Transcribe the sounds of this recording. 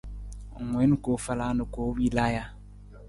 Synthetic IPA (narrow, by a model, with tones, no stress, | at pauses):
ŋwe˨˦n˦ko˨˦fa˨la˦nə˨ko˨˦wi˦la˦ja˦